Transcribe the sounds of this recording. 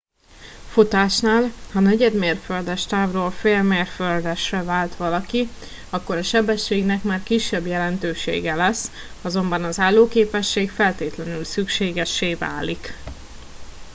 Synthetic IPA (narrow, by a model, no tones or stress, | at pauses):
fut̪aːʃnaːlhɒnɛɟɛd̪meːrføld̪ɛʃt̪aːvroːlfeːlmeːrføld̪ɛʃrɛvaːlt̪ʋɒlɒki | ɒkːo̞ɾɒʃɛbɛʃːeːɡnɛkmaːrkiʃːɛbjɛlɛnt̪øːʃḛːɡɛlɛs | ɒzo̞mbɒnɒzaːlːoːkeːpɛʃːeːkfɛlt̪eːt̪lɛnylsykʃeːɡɛʃːeːva̰ːlik